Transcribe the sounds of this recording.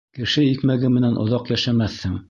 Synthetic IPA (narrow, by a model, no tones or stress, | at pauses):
kɘ̆ʃɘikmæɡɘmɘ̆nænʔŏ̰ðɑqjæʃæmæθhɘŋ